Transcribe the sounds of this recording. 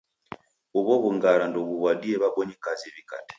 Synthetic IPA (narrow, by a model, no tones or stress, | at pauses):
uβɔβuŋɡaɾandɔβuβwadiɛβabɔɲikaziβika̰tɛ̥